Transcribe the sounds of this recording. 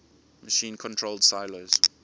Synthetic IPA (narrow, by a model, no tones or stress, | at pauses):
məʃĩːnkʰɔ̃ntʰɹoldsaɪloz̥